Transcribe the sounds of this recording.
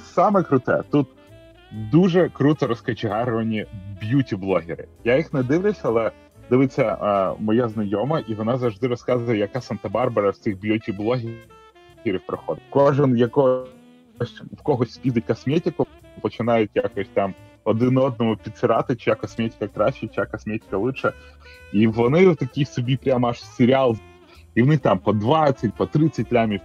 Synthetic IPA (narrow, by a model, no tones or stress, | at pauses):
sɑmɛkɾʊt̪ɛ̰t̪ut̪ | d̪uʒɛkɾut̪ɔɾɔskɐt͡ʃɪɦɑɾʊʋɐnʲibjutʲiblˠɔɦʲɪɾɪ̰jajixnɛd̪ɪʋlʲɪsʲɐlˠɛ | d̪ɪʋɪt͡sʲːɐmɔjaznɐjɔmɐʔiʋɔnɑzɐwʐd̪ɪɾɔskɑzʊjɛjɐkɑsɐnt̪ɐbɑrbɐɾɐsʲt͡s̪ʲixbjutʲiblˠɔɦʲ | ɦʲiɾʲiwpɾɐxɔd̪ɪtʲkɔʒɪnjɐkɔ | ɔsʲtʲfkɔɦɔsʲtʲsʲpʲid̪ɨtʲkɐsmʲetʲɪkʊ | pɔt͡ʃɪnajʊt̚ʲjakɔsʲt̚ʲt̪am | ɔd̪ɪnɔd̪nɔmɔpʲit̪sɨɾat̪ɪt͡ʃjakɐsmʲetʲɪ̥kɐkɾaɕɪt͡ʃakɐsmʲetʲɪ̥kɐlˠɪʃɛ | iʋɔnɪt̪ɐkʲijsʊbʲipɾʲamaʂsʲɪɾʲɪalˠ | iʋɔnɪxt̪ampɔd̪ʋat̪sʲɐt̚ʲpɔt̪ɾɪt̪sɐtʲlʲamʲi